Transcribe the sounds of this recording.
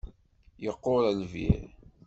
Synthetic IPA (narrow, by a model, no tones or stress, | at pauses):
jəqːoɾəlvḭɾ